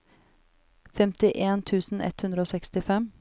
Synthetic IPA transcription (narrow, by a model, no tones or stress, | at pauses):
fɛmt̪ɪʔeːnt̪ʰʉːsn̩ʔɛ̰t̪hʉnɾəoːsɛkst̪ɪfɛm